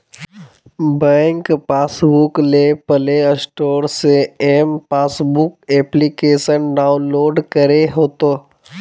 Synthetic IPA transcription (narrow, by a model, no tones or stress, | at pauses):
bɛ̃ːŋkpaːsbʊklepəleəsʈoːɾseeːmpaːsbʊkeːplikeːʃənɖaːʊnloːɖkəɾeɦoːt̪oː